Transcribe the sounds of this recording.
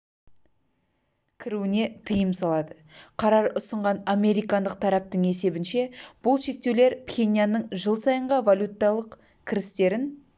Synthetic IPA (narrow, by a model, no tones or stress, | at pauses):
kʲʰɪɾuɪne̞t̪ʰəjəmsɑlˠɑd̪ə | qʰɑɾɑɾʊsəɴʁɑname̞ɾijkɑnd̪əq̚t̪ʰɑɾɑp̚t̪əɴe̞se̞bɪnʃe̞b̥ʊlˠʃe̞k̚t̪e̞wle̞ɾpχʲe̞nijanːəɴʒəlˠsɑjəɴʁɑvalʲut̪ːɑlˠəq | kʲʰɪɾɪst̪e̞ɾɪn